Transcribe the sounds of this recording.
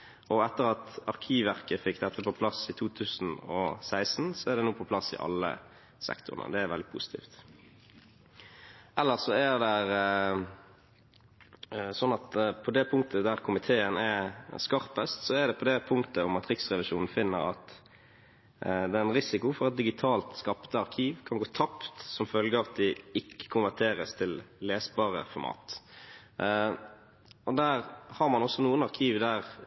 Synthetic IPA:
ɔɛt̪ːəɾɑt̪ɑʁkʰiːʋʋæʁkəfɪkd̪ɛt̪ːəpʰɔpʰlɑsɪt̪ʰuːt̪ʰʉːsn̩ɔsæɪsn̩sɔæɾd̪ɛnuːpʰɔpʰlɑsɪ̰ʔɑ̰lːə̰ | sɛ̰kt̪ʊ̰ʁənə̰d̪ɛæɾʋɛld̪ɪpʰʊ̰sɪ̥t̪ʰḭːft̪ | ʔɛlːəʁsɔæʁd̪ɛɾ | sɔnːɑt̪pʰɔd̪ɛpʰʊŋk̚t̪əd̪æʁkʰʊmɪt̪ʰeːənɛskɑɾpəst̪sɔæd̪ɛpʰɔd̪ɛpʰʊŋkt̪əʊmɑt̪ɾɪksʁɛʋɪʃuːnn̩fɪnːə̰ɾɑ̰t̪ | d̪ɛːɛnɾɪsɪkʊfɔɾɑt̪̚d̪ɪɡɪt̪ʰɑːlt̪skɑpt̪əɑɾkʰiːʋkʰɑnɡoːt̪ʰɑpt̪sɔmfœlɡəɑt̪̚d̪ɛɪkːə̥kʰʊnʋæʁʈ̪ʰeːɾəst̪ʰɪlleːsbɑːʁə̰fɔɾmɑ̰ːt̪ | ɔd̪æːɾhɑɾmɑnɔsːɔnuːənɑʁkʰiːʋd̪æːʁ

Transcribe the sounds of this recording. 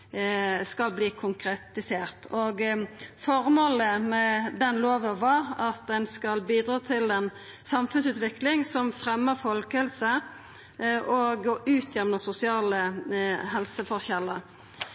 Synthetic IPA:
skɑlbliːkʰʊŋkɾɛt̪ɪseːʁt̪ʰoɡfɔʁmoːləmɛd̪ɛnloːʋəʋɑɾɑt̪̚d̪ɛnskɑlbiːd̪ʁɑːt̪ʰɪlɛn | sɑmfʉnsʉːt̪ʋɪklɪŋsɔmfʁɛmːəfɔlkəɛlsə | ʔoɡoʔʉːt̪ʰjɛmnəsʊsɪɑːləɦɛlsəfɔçɛlːəɾ

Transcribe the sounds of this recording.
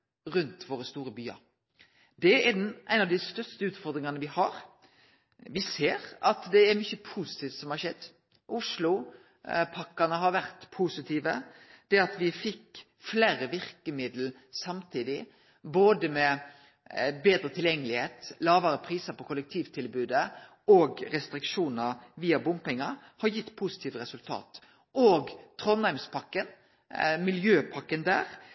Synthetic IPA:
ɾʉnt̪ʋoːɾəst̪uːɾəbyːɑ̰ɾ | d̪ɛæd̪ɛnʔæɪnɑʋd̪ɪst̪œɾst̪əʉːt̪fɔɾd̪ɾɪŋɑnəʋɪhɑɾ | ʋɪseːɾɑt̪d̪ɛæɾmyçəpʰusɪ̥t̪ʰiːft̪sɔmhɑʃɛd̪ː | ʔʊʂlʊ | pʰɑkːɑnəɦɑɾʋæɾt̪pʰusɪt̪ʰiːʋəd̪̥ɛɑt̪ʋɪfɪkː | flæːɾəʋɪɾkəmɪd̪l̩ | sɑmt̪ʰiːd̪ɪ | boːd̪əmɛ | beːd̪ɾət̪ʰɪljɛŋːəlɪheːt̪lɑːʋəɾəpʰɾiːsəpɔkʰʊlɛk̚t̪ʰiːʋt̪ʰɪlbʉːd̪ə | oːɡɾɛst̪ɾɪkʂuːnəɾʋiːɑbʊmpɪŋɑ | hɑɾjɪt̪ːpʰʊsɪ̥t̪ʰiːʋəɾɛsʉlt̪ʰɑ̰ːt̪ | ʔoːɡt̪ʰɾɔnhæɪmspʰɑkːən | mɪljøːpʰɑkːənd̪æ̰ːɾ

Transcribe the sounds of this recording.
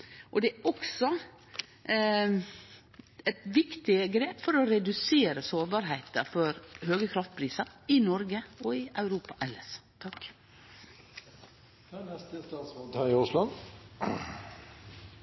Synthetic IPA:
ʔɔd̪ɛæʔɔksɔ | ɛt̪ʋɪkt̪ɪəɡɾeːpfɔɾɔɾɛd̪ʉseːɾəsoːɾbɑːɾɦæɪt̪əfɔɾhøːɡəkʰɾɑft̪̚pʰɾiːsɑɪnɔɾɡəɔɪʔɑʉɾuːpɑʔɛlːə̰st̪ʰɑk | nɛst̪əst̪ɑːt̪smɔːt̪ʰɑɪʊslɑn

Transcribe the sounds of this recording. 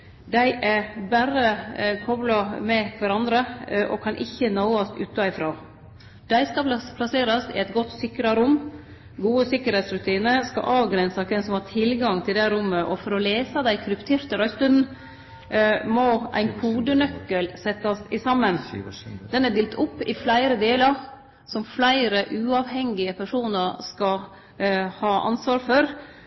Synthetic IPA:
d̪æɪʔæɾbæɾəkʰɔblɑmɛkʰʋæɾɑnd̪ɾəʔɔ̰kʰɑnʔɪçːənɑʊɑst̪ʉ̰ːt̪ɑɪfɾoː | d̪̥æɪskɑpʰlɑseːɾɑsɪ̰ɛɪt̪ɡɔt̪ːsɪkɾɑɾʊm | ɡuːəsɪkːəɾhɛɪt̪sɾʉt̪ʰiːnəskɑ̰ʔɑːʋɡɾɛnsɑk̪ɛnsɔmhɑːt̪ʰɪlɡɑŋt̪ʰɪld̪æɪɾʊmːəʔɔfɔɾɔleːsɑd̪æɪkʰɾʉpt̪ʰeːɾt̪əɾœʏst̪ʉnn̩ | mɔʔæ̰ɪnkʰuːd̪ənœkːəlsɛt̪ːɑsɪsɑmːənd̪̥ɛnæd̪ɪːlt̪ʰʊpːɪflæɪɾəd̪eːlɑɾ | sɔmflæɪɾəʔʉːɑːʋhɛŋɪəpʰæʂuːnəɾskɑ | hɑːʔɑ̰nsʋɑːɾfɔɾ

